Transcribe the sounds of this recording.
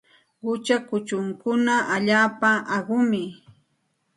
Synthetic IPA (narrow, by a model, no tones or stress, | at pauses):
ɢʊt͡ʃakʊt͡ʃʊŋkʊnaʔaʎaːpaʔaɢʊmɪ